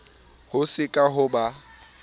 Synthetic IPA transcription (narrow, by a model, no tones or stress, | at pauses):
hʊsɪkʼaɦʊba